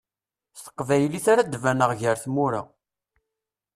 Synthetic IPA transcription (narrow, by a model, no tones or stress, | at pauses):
st̪ə̥qːvæjəliθaɾad̪vænəʁʝəɾθmuɾa̰